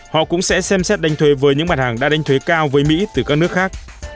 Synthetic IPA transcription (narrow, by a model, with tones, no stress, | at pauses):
hɔ̰˧˨kʊ̰˧˥ŋ͡msɛ̰˧˥sɛ˧msɛ˦˥t̚ɗa˨jŋ̟t̪ʰwe˨˦vəː˨˦jɲɨ̰˧˥ŋmaː˨˩t̚haː˨˩ŋɗa̰ː˧˥ɗa˨jŋ̟t̪ʰwe˨˦kaː˧wvəː˨˦jmḭ˧˥t̪ɨ˨˩kaː˦˥k̚nɨ˦˥ək̚xaː˦˥k̚